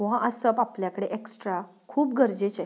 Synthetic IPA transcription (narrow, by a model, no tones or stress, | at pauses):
oɦãʔəsəpapljakəɽeʔeksʈɾa | kʰuːpɡəɾd͡ʑet͡ɕa